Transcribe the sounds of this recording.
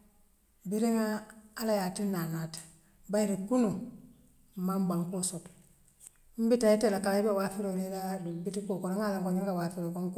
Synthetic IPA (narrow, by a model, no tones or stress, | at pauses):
biɾiŋaːlajatinːanat | baiɾikuno | mambaŋkosot | m̩bitaitelakalaibiwafiɾoɾiladubitikokoɾaŋalaŋkoɲiŋkawafiɾokoŋk